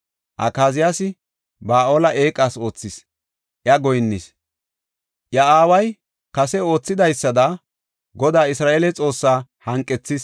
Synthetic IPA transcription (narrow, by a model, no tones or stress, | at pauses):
ʔɐ̰kaːzɪjasɪ | baːʔoːlɐʔe̞ːkʼːaːso̞ːt͡sːɪs | ʔjɐɡɔjnːɪs | ʔjɐaːwɐj | kɐsɛo̞ːt͡sːɪd̪ɐjsːɐd̪ɐ | ɡɔd̪aːɪsɾaːʔeːlɛt͡sʼo̞ːsːaːhɐŋkʼːɛt͡sːɪs